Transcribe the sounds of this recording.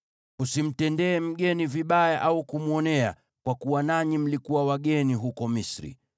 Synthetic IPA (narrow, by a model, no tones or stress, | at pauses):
usim̩tɛndɛːm̩ɠɛniviɓajaʔaukumuɔnɛa̰ | kwakuwanaɲim̩likuwawaɠɛniɦukɔmisɾḭ